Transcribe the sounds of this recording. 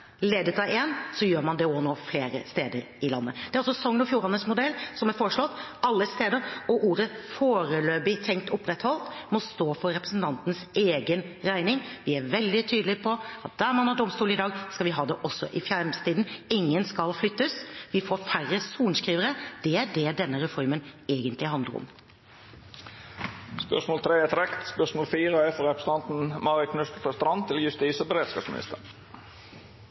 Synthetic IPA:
leːd̪ət̪ʰɑeːnsɔjøːɾmɑnd̪ɛoːnoːfleːɾə̰st̪eːd̪əɾ | ɪlɑ̰nːəd̪̥ɛɾɑlsɔsɔŋːənɔfjuːɾɑnəsmʊd̪ɛlːsɔmæɾfɔʂlɔt̪ːɑlːəst̪eːd̪əɾɔʔuːɾəfoːɾəløːbɪt̪ʰɛŋkt̪ʊpːɾɛt̪hɔlt̪mɔst̪oːfɔɾɾɛpɾəsn̩t̪ʰɑnt̪nseːɡənɾæɪnɪŋʋɪæɾʋɛld̪ɪt̪ʰyːd̪əlɪpʰɔɑt̪̚d̪̥æɾmɑnhɑɖɔmst̪uːlɪd̪ɑːɡskɑlʋɪɦɑːd̪ɛʔɔsːɔ̰ʔɪfjæɾmst̪iːd̪n̩ɪŋːənskɑlflʏt̪ːəsʋɪfoːfærəsuːnskɾiːʋəɾəd̪̥ɛæɖɛɖ̪ɛnːəɾɛfɔɾməneːɡənt̪lɪɦɑnd̪ləɾʊ̰m | spœ̰ʂmoːlt̪ʰɾeːɛt̪ɾɛkt̪spœʂmoːlfiːʁəæfɔɾɛpɾəsət̪ɑnt̪n̩mɑɾɪkʰnʉst̪ət̪ʰɔst̪ɾɑnt̪ʰːɪljʉst̪iːsəbəɾeːd̪skɑ̰ːpsmɪ̰nɪ̰st̪əɾ

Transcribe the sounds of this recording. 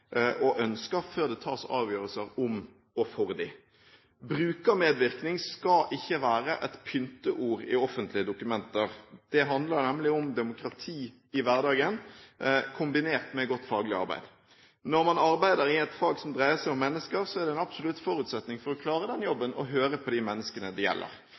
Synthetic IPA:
ʔɔʔœnskəføːʁd̪ɛt̪ʰɑːsɑ̰ːʋjøːɾəlsəɾʊm | ɔfɔʁd̪ɪ | bɾʉːkəmeːd̪ʋɪʁknɪŋskɑʔɪçːəʋæːɾəʔɛt̪pʰʏnt̪əʔuːɾɪ̰ɔfənt̪lɪəd̪ʊkʉmɛnt̪əʁd̪̥ɛɦɑnd̪ləɾnɛmlɪʊmd̪ɛmʊkɾɑt̪ʰiː | ɪʋæʁd̪ɑːɡən | kʰʊmbɪneːʁt̪mɛɡɔt̪ːfɑːɡlɪɑ̰ɾbæ̰ɪd̪ | nɔɾmɑnɑʁbæɪd̪əɾɪɛt̪fɑːɡsɔmd̪ʁæɪəsæɪɔmːɛnːəskəʁsɔæʁd̪ɛɛnɑbsɔlʉt̪fɔɾʉːt̪sɛt̪nɪŋfɔɾɔkʰlɑːɾəd̪ɛnjɔbːənɔɦøːɾəpʰɔd̪ɪmɛnːəskənəd̪ɪjɛ̰lːə̰ɾ

